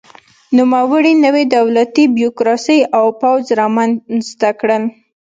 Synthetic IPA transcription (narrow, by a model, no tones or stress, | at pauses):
numawəɽinəwed̪awlat̪ibjokɾɑsəjawpawzɾɑmanzt̪akɽəl